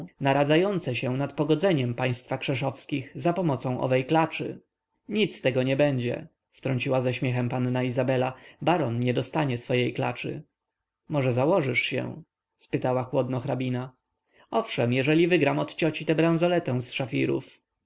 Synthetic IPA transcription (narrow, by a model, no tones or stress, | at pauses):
naɾad̪zajɔnt̪sɛɕɛ̃nat̪pɔɡɔd̪zɛɲɛmpaj̃st̪fakʂɛʂɔfskʲiɣzapɔmɔt̪sɔ̃w̃ʔɔ̰vɛjklat͡ʂɘ̰ | ɲit̪st̪ɛɡɔɲɛbɛɲd͡ʑɛ̰ | ft̪ɾɔɲt͡ɕiwazaɕmʲjɛxɛmpanːaizabɛlabaɾɔnɲɛd̪ɔst̪aɲɛsfɔjejkla̰t͡ʂɘ̰ | mɔʐɛzawɔʐɘʂɕɛ̰ | spɘt̪awaxwɔd̪nɔxɾabʲina | ɔfʂɛmjɛʐɛlʲivɘɡɾamɔt̪t͡ɕɔt͡ɕit̪ɛbɾãñzɔlɛt̪ɛ̃w̃sʂafʲḭɾṵf